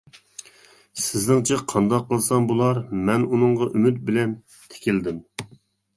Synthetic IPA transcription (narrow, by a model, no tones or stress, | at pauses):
sɪznɪŋt͡ʃʰɛqʰɑnd̪ɑqːəlˠsɑmbulˠɑɾmɛnunɨŋʁɑʔymyt̪̚bɪlɛn | t̪ʰe̥kʲild̪ɪm